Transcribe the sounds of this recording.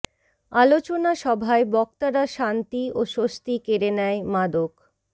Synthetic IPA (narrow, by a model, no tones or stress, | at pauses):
alot͡ɕonaʃɔbʱaebɔk̚t̪aɾaʃant̪ioʃost̪ikeɾenɛemad̪ok